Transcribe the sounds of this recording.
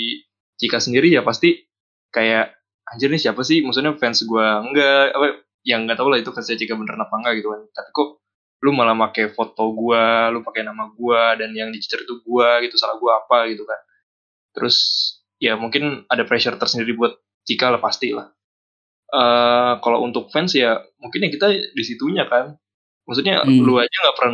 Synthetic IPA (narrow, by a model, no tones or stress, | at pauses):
i | t͡ʃikasəndiɾijapast̪i | kajaʔ | haɲd͡ʒərɲasiapasɪhmaks̬ʊtɲafɛnsɡuaŋɡaʔa̰pa | jaŋɡat̪aulahit̪ukansaat͡ʃikabənərnapaŋɡaɡit̪ukant̪api̥ko | lumalahmakajfot̪oɡualupakajnamaɡuadanjaŋdit͡ʃi̥t͡ʃəɾit̪uɡuaɡit̪usalahɡuaːpaɡit̪ukan | t̪əɾʔʊs | jamuŋkɪnadapɾɛʃərt̪ərsəndiɾibuat̪̚ː | t͡ʃikalahpast̪ilah | ʔəkala̰ṵnt̪ʊk̚fɛnsjamuŋkɪnjakit̪adisit̪uɲakan | maksut̪̚ɲa̰luad͡ʒaŋɡaʔpərna